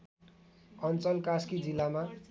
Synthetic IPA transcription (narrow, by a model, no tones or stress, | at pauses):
ʌnt͡sʌlkaskid͡zilːama